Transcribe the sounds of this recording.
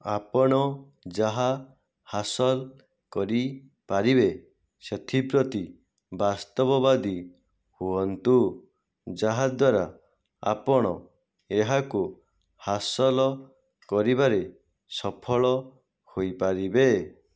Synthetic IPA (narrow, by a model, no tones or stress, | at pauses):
apɔɽ̃ɔ | d͡ʒaɦa | hasɔl | kɔɾi | paɾibe | set̪ʰipɾɔt̪i | bast̪ɔbɔbad̪i | huɔnt̪u | d͡ʒaɦad̪waɾa | a̰pɔɽ̃ɔ̰ | eɦaku | hasɔlɔ | kɔɾibaɾe | sɔpʰɔɭɔ | hojpaɾibe